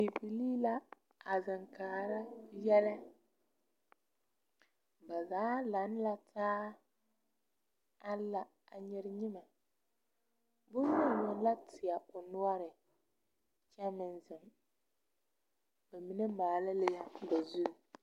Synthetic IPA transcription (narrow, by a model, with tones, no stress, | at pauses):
i˨pi˨liː˦la˦ | a˨za˨ŋkaː˨ɾa˦jɛ˦lɛ˦ | ba˨zaː˨˦la˨˦n˦la˦tʰaː˦ | a˦la˨ | a˨ɲɪ˦ɾɪ˦ɲɪ˦ma˨ | bʊ˦nː˦ʊ˦˨ɲʊ˨n˦la˦tʰɪ˨a˨ʊ˨nʊ˦ɔ˦ɾɪ˨ | t͡ʃɛ˦mɪ˨nzɪ˨m | ba˨mi˨nɛ˦maː˨la˦lɪ˦ba˨zu˦˨